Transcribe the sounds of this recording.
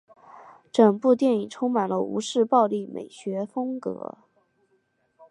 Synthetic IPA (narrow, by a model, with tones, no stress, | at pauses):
ʈ͡ʂɤ˨˩ŋpu˥˧t̪jɛ˥˩ni˨˩ʈ͡ʂʰʊ˥ŋma˨˩nlə˦ṵ˧˥ʂɻ̩˥˧pɑ˥˧ʊli˥˩mḛ˨˩ɪɕɥɛ˧˥fɤ˥ŋkɤ̰˧˥